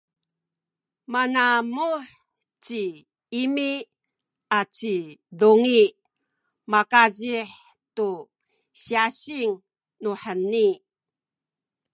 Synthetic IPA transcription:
manamuħ | t͡ɕi | imi | at͡ɕiduŋi | makaʑiħ | tu | ɕiaɕiŋ | nuħənːi

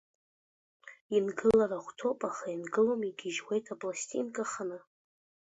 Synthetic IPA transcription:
inɡɨlaɾaχʷtʰopʼaχainɡɨlomiɡʲɪʒwe̞jtʰapʼlastʼḭnkʼaχanɨ

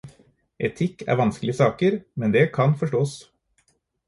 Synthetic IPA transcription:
ʔɛt̪ʰɪkːæ̰ːɾʋɑnsklɪəsɑːkəɾmɛnd̪ɛkʰɑnfɔʂʈoːs

